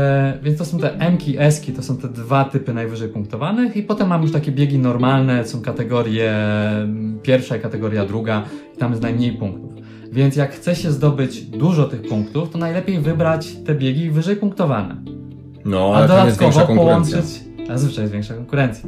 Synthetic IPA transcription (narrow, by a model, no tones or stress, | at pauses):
vʲjɛnst̪ɔsɔ̃w̃t̪ɛʔɛmkʲiʔɛskʲit̪ɔsɔ̃w̃t̪ɛd̪vat̪ɘpɘnajvɘʐɛjpuŋk̚t̪ɔvanɘxipɔt̪ɛmːamjuʂt̪akʲɛbʲjeɡʲinɔɾmalnɛsɔ̃w̃kat̪ɛɡɔɾʲjɛ | pʲjɛɾfʂaikat̪ɛɡɔɾjad̪ɾuɡai̥t̪amjɛstnajmɲejpuŋk̚t̪uf | vʲjɛnt̪s̬ʲjakxt̪sɛɕɛzd̪ɔbɘd͡ʑd̪uʐɔt̪ɘxpuŋkt̪uft̪ɔnajlɛpʲjejvɘbɾat͡ɕt̪ɛbʲjeɡʲivɘʐɛjpuŋk̚t̪ɔvanɛ̰ | nɔad̪ɔd̪at̪kɔvpɔwɔnt͡ʂɘt͡ɕ̪ | zvɘt͡ʂajɛsvʲjẽŋkʂakɔŋkuɾɛnt̪sʲja